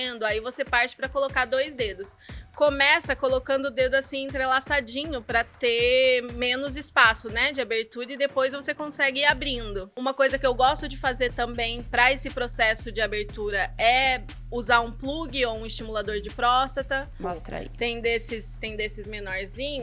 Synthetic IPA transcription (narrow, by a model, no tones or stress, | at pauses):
ẽnd̪ʊaivosepaɾt͡ʃɪ̥pɾɐkolokad̪ojzd̪ed̪ʊskomɛsɐkolokɐ̃nd̪ʊd̪ed̪ʊasĩẽt̪ɾelasad͡ʒĩɲʊpɾɐt̪emẽnʊzɪspasʊnɛd͡ʒɪabeɾt̪uɾɐid̪epojzvosekõsɛɡɪabɾĩnd̪ʊũmɐkojzɐkɪewɡɔst̪ʊd͡ʒɪfazeɾt̪ɐ̃mbẽj̃pɾɐesɪpɾosɛsʊd͡ʒɪabeɾt̪uɾɐɛ | uzaɾũpluɡɪowũɪst͡ʃimulad̪oɾd͡ʒɪpɾɔst̪ɐt̪ɐmɔst̪ɾa̰ḭt̪ẽj̃d̪esɪst̪ẽj̃d̪esɪzmenɔɾzĩɲʊ